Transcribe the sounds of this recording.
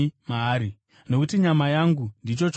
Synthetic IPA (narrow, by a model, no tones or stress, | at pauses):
maːɾi | no̞kutiɲamajaŋɡundit͡ʃo̞t͡ʃ